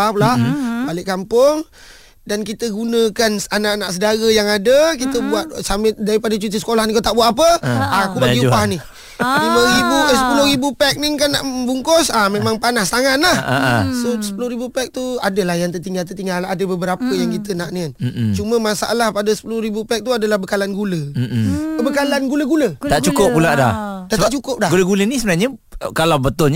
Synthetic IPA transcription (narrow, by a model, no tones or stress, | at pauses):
ahpulahbalɪʔkampʊŋ | dankit̪əɡunə̃kananaʔanaʔsəɡaɣəjaŋadəkit̪əbuat̪̚samɪt̪̚daɾipadat͡ʃut̪isə̥kolahnikot̪aʔbuat̪ap̬əakupaɡiubahni | miməɾibuəsəpulohɾibupɛk̚niŋkanːaʔəbuŋkʊsamemaŋpanast̪aŋat̪̚lahsosə̥pulʊhɾibupɛk̚t̪uadəlahjaŋt̪ərt̪iŋɡalt̪ərt̪iŋɡaladəbəbəɾapəjaŋkit̪ənaʔnian̩t͡ʃumə̃masaʔa̰lahpadəsə̥pulʊhɾibupɛk̚t̪uadalahbəkalanɡuləm̩bəkalanɡuləɡulət̪aʔt͡ʃukʊp̚pːulaʔda̰hdaht̪aʔt͡ʃukʊp̚daɡuləɡulənisəbənaɲəkalawbət̪ʊlɲ